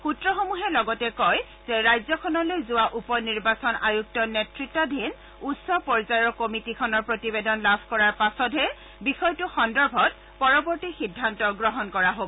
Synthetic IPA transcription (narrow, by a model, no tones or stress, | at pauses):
xutɹɔxomuɦɛlɔɡɔtɛkɔj | zɛɹajzɔkʰɔnɔlojzʊwaʔupɔniɹbasɔnajuk̚tɔnetɹitːadʱin | utsɔpɔɹzajɔkomitikʰɔnɔɹpɹotibedɔnlabʰʱkɔɹaɹpasɔtɛ | bixɔjtʊxɔndɔɹbʱɔt | pɔɹɔbɔɹtixidʱːantɔɡɹɔɦɔnkɔɹaɦobɔ